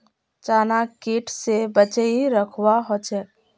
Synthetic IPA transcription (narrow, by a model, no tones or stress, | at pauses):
t͡ʃaːnakiːʈʰsebət͡ʃəiɾəkʰwaɦoːt͡ʃɛ